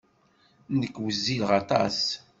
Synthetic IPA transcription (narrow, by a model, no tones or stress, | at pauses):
nəkːwəzːilʁɑt̪ˤɑ̰s